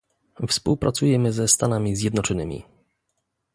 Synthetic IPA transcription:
fspuwpɾʔat̪sujɛmɘzɛst̪anamʲizʲjɛd̪nɔt͡ʂɔnɘmʲḭ

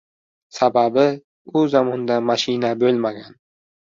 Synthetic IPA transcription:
sababɪ | ʊzamɒnd̪amaʃɪnabɵlmaɡʲan

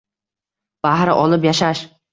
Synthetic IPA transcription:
b̥ahɾɪʔɒlˠɪpjaʃaʃ

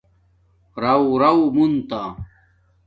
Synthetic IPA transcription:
ɾɐwɾɐwmunt̪a

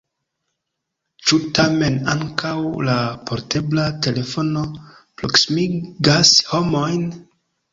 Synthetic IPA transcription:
t͡ʃutame̞naŋkʰawlapʰo̞ɾte̞blate̞le̞fo̞no̞ | pɾo̞ksimiɡasho̞mo̞jn

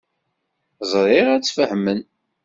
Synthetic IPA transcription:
zˤɾˤɪʁæt͡sːfəhmən

